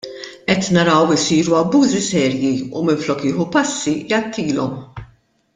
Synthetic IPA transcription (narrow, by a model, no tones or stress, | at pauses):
ʔɛt̪nɐɾɐwɪsiːɾuɐbːuːzisɛːɾjiumɪɱflɔːkɪːħupɐsːijɐt̪ʰːiːlɔm